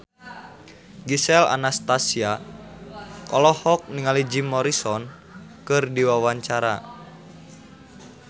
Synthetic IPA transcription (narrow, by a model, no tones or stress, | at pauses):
ɡisɛla̰nast̪asia | kɔlɔhɔk̚niŋalid͡ʒimɔɾisɔn | kɨrdiwawaɲt͡ʃaɾa̰